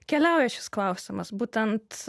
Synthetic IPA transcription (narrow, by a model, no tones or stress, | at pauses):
kʲɛlʲɛˑʊjɛʃʲɪ̥sklˠɐʊsʲɪmɐsbuːt̪ʲɛnt̪